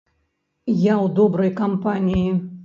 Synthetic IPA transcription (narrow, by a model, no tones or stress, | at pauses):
jawd̪ɔbɾɐjkampanʲiji